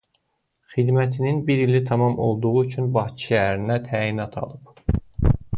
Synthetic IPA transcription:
χid̪mæt̪ʰininbiɾilit̪ʰɑmɑmo̞̰lˠd̪uʁuyt͡ʃʰynbɑht͡ʃʰʃæɾinæt̪ʰæːinɑt̪ʰɑ̰lˠɯp

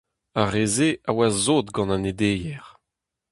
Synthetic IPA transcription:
aʁeːzeʔawazoːt̪ɡɑ̃nãned̪eːjɛʁ

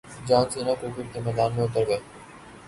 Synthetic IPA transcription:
d͡ʒaːnsiːnakuːkɪɾkemɛːd̪aːnmẽʊt̪əɾɡɐe

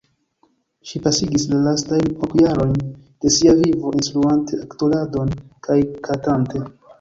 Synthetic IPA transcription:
ʃipasiɡislalastajnokjaɾo̞jnd̥e̞siavivo̞ʔinsɾuantʰe̞aktolado̞nkʰajkʰatante̞

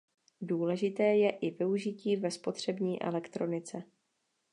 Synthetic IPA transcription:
duːlɛʒɪt̪ɛːjɛʔɪvɪuʒɪciːvɛspo̞t̪r̝̥ɛbɲiːʔɛ̰lɛkt̪ɾo̞nɪt͡sɛ

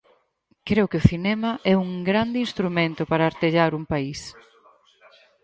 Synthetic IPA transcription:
kɾewkeʊθinɛmɐʔɛuŋɡɾand̪ɪinst̪ɾumẽnt̪ʊpaɾɐːɾt̪eʎaɾuŋpais

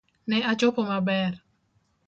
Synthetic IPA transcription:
nɛat͡ʃokomabɛr

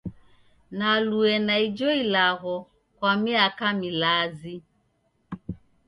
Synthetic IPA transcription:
naluɛnaid͡ʒɔilaɣɔ | kwamiakamilazi

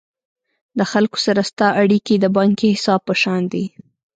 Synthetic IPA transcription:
d̪əxalko̥saɾast̪ɑʔaɽikid̪əbɑŋkihɪsɑb̚pːəʃɑnd̪i

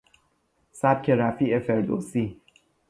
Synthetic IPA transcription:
sæb̚cʲʰeɾæfiːʔefeɾd̪o̰si

